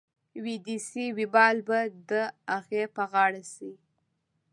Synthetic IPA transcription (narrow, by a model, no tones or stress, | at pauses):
wid̪isiwibɑlbad̪əaɣepəɣɑɽasi